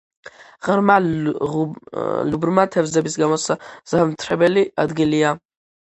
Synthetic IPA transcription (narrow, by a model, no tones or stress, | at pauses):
ʁərma | lubrmatʰavzabisɡamosaz̥amtʰrabɛliad̪ɡalija